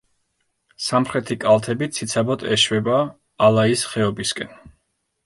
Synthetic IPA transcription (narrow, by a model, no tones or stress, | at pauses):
samχɾɛt̪ʰikʼalˠt̪ʰɛbit̪sʰit̪sʰabɔt̪ʰʼɛʃwɛbaː | lˠaisχɛɔbiskʼɛn